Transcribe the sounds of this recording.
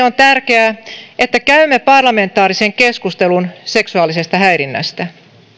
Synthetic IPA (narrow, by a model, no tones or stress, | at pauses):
ont̪ærkeæet̪ːækæymːepɑrlɑme̞nt̪ːˑɑːɾiseŋkeskust̪elunse̞ksuɑːlise̞st̪ɑhæjɾinːæ̰st̪æ